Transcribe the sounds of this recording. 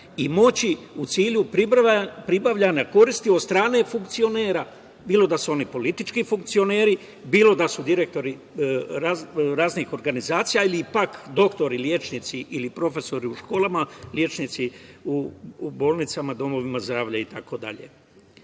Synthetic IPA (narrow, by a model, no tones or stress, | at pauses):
imo̞t͡ɕiut̪siːʎuppɾibaʋʎaɲako̞ɾist̪iod̪st̪ɾaːne̞fuŋkt̪sio̞ne̞ːɾa | biːlo̞d̪asuo̞nipo̞lit̪it͡ʃkifuŋk̚t̪sio̞ne̞ːɾi | biːlˠo̞d̪asud̪iɾe̞k̚t̪o̞ɾi | ɾaɾaːznixo̞ɾɡanizaːt̪sijailipakd̪o̞kt̪o̞ɾiljeːt͡ʃnit̪siʔilipɾo̞fe̞so̞ɾiuʃko̞ːlˠamalje̞ːt͡ʃnit̪siubo̞ːlˠnit̪samad̪o̞mo̞ʋimazd̪ɾaːʋʎait̪ako̞d̪a̰ʎḛ